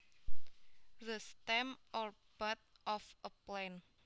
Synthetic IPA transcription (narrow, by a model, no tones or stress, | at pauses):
ðəst̪ɛmɔr | b̥at̪̚ʔɔfəplɛn